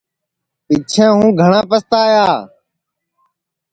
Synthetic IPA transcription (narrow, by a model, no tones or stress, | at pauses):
pɪt͡ʃʰɛ̃ːɦũːɡʱəɳãːpəst̪aːjaː